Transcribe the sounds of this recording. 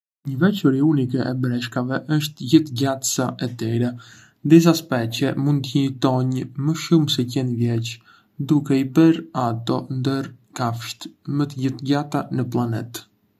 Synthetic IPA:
ɲəvɛt͡ʃɔɾiunikɛʔɛbɾɛʃkavɛʔəʃ̬t̪ɟət̪ɟat̪saʔɛt̪ɛɾɛ | nd̪is̬aspɛt͡ɕɛmund̪ɲit̪ɔɲməʃumsɛcɛnivjɛt͡ʃ | d̪ukɛibɛɾat̪ɔnd̪əɾkafʃt̪mət̪əɟət̪ɟat̪anəplˠanɛt̪

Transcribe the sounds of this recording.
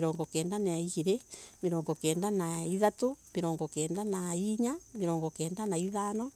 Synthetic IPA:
ɾɔːŋɡɔkɛːndanaaiiɾemeɾɔːŋɡɔkɛːndanaiðatomeɾɔːŋɡɔkɛːndanaiɲameɾɔːŋɡɔkɛːndanaiðaːnɔ

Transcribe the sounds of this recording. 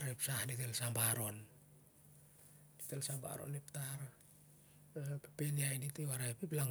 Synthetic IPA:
ɾepsahditelsambaɾo̞n | d̥itelsamba̰ɾo̰nip̚taɾ | pepeliajditewaɾaepiplaŋ

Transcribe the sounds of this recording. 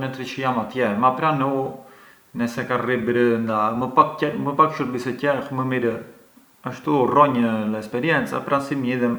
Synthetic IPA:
nət̪ɾit͡ʃəjamat̪jɛmapɾanu | nɛsɛkaribɾənd̪aməpakɛməpakʃuɾbisɛcɛxməmiɾə | aʃt̪urɔɲəɛspɛɾijɛnt͡sa̰pɾasimiðɛm

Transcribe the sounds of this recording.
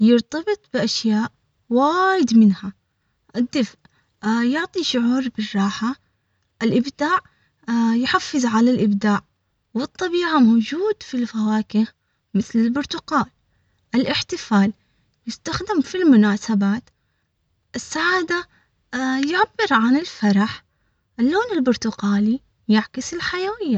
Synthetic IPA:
jɪɾt̪ɑbɨt̪ˤbɪʔaʃjaːʔ | waːjɪd̪mɪnha | ʔɪd̪ːɪfʔ | jʊʕt̪ˤiʃʊʕuːɾbɪrˤːɑːħa | ʔɪlʔɪbd̪aːʕ | jħafːɪzʕalalʔɪbd̪aːʕ | wɨt̪ˤːɑbiːʕamod͡ʒuːd̪filfawaːkɪ | mɪθlɪlbʊɾt̪ʊqaːl | ʔɪlʔɪħt̪ɪfaːl | jɪst̪axd̪ɪmfilmʊnaːsabaːt̪ | ʔɪsːaʕaːd̪a | jaʕabːɪɾʕanɪlfɑɾˤɑħ | ʔɪlːoːnɪlbʊɾt̪ʊqaːli | jaʕkɪsɪlħajawɪjːa

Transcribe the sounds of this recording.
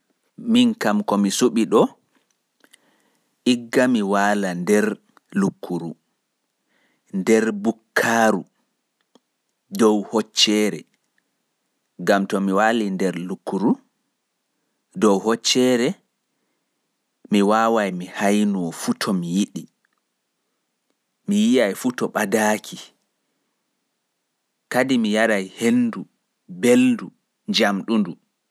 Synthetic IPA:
minkamkɔmisuɓiɗɔ | ʔiɡːamiwaːlandɛɾ | lukʰːuɾu | ndɛɾbukʰːaːɾu | dɔwhɔt͡ʃːɛːɾɛ̰ | ɡamtɔmiwaːlindɛɾlukːuɾu | dɔwhɔt͡ʃːɛːɾɛ | miwaːwajmihajnuɔfutʰɔmijiɗi | mijijajfutɔɓadaːkʰi | kadimijaɾajhenːdu | beldu | ɲd͡ʒamɗundu

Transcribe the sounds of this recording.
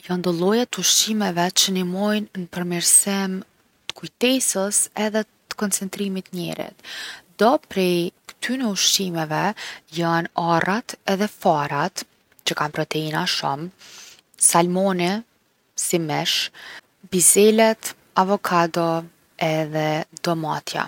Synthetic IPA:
jand̪ɔlˠɔjat̪əuʃt͡ʃimɛvɛt͡ɕənimɔjnːəpəɾmiɾsim | t̪ə̥kujt̪ɛsəsɛðɛt̪ə̥kɔnt͡sɛnt̪ɾimit̪əɲɛ̰ɾḭt̪d̪ɔpɾɛjkə̥t̪ʰynɛuʃt͡ʃimɛvɛjanarat̪ɛðɛfaɾat̪ | t͡ɕəkanpɾɔt̪ɛinaʃum | salmɔni | simɛʃ | bizɛlɛt̪ | avɔkʰad̪ɔ | ɛðɛd̪ɔmat̪ʰja̰

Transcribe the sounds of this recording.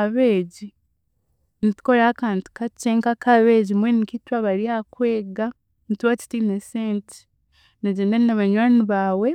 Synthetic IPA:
aβeːɟi | niti̥koɾakaːntu̥kat͡ʃeːŋkakaβeːɟimwenikitwaβaɾiakweːɡa | nituwat͡ʃi̥tineseːnti̥ | neɟeːndaninaβaɲwaːniβaːwe

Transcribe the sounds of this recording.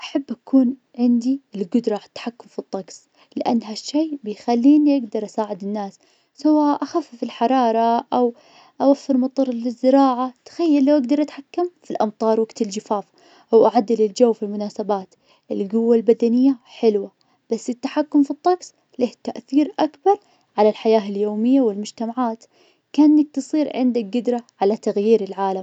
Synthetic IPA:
ʔaħabːʔakʰuːn | ʕɪnd̪iɪlɡʊd̪ɾˤɑʕat̪ːḁħakːʊmfit̪ˤːɑɡs | lɪʔa̰nːɦaʃːeːbɪjxalːiːnjʔaɡd̪ɑɾˤʔasaːʕɪd̪ɪnːaːs | sawaːʔʔaxafːfilħɑɾˤɑːɾˤɑʔaw | ʔawafːɪɾmɑt̪ˤɑɾˤlɪzːɪɾɑːʕat̪xajːalːawʔaɡd̪ɑɾˤʔat̪ħakːamfilʔɑmt̪ˤɑːɾˤwaɡt̪ɪld͡ʒɪfaːf | ʔwʔaʕad̪ːɪlɪld͡ʒawːfilmʊnaːsabaːt̪ | ʔɪlɡʊwːalbad̪anɪjːaħɪlwa | b̥asːɪt̪ːaħakːʊmfit̪ˤːɑksˤ | leht̪aʔθiːɾʔakbɑɾˤ | ʕalalħajaːɪljoːmɪjːawɪlmʊd͡ʒt̪amaʕaːt̪ | kaːnɪnːak̚t̪ɨsˤiːɾʕɪnd̪ak̚ɡɪd̪ɾˤaʕalat̪aɣjiːɾɪlʕaːlam

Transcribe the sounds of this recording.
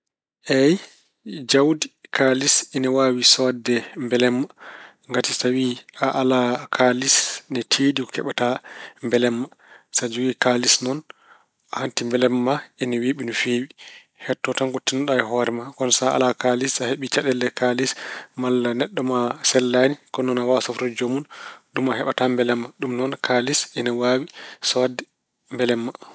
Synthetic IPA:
ʔɛj | d͡ʒawdikʰalisɛnɛwawisɔdɛmbɛlɛmːa | ŋɡatisawiaʔalakʰalisnɛtʰeːdikɔ̥kɛɓatambɛlɛmːa | sad͡ʒuɡikalisnɔn | ahantimbɛlɛmːaɛnaweɓinufewi | hɛtːɔtanɡotːinɔɗaɛɦɔɾɛmakɔnsaa̰lakalisaheɓit͡ʃaɗɛlːɛkalismalːanɛɗːɔmasɛlːanikɔnɔnawasɔftɔd͡ʒomunɗumaɦɛɓatambɛlɛmːaɗumnɔnkʰalisɛnawawisɔadɛ | mbɛlɛmːa

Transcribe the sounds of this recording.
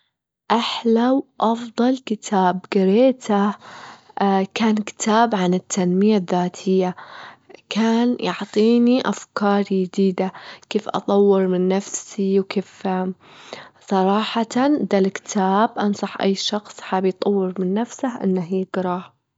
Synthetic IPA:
ʔaħlawʔɑfðˤɑlkɪt̪ʰaːbɡɪɾeːt̪ʰa | kaːnkɪ̥t̪ʰaːbʕanɪt̪ːanmɪjaðːaːt̪ʰɪjːa | kʰaːnjɑʕt̪ˤiːniʔafkɑːɾˤjɪd̪iːd̪akeːfʔɑ̰t̪ˤɑwːɪɾmɪnːafsiwkeːf | sˤɑɾˤɑːħɑd̪alkɪ̥t̪ʰaːbʔɑnsˤɑħʔa̰jːʃɑxsˤħaːbijt̪ˤɑwːɪɾmɪnːafsahʔɪ̰nːaɦiːɡ̥ɾˤɑːh

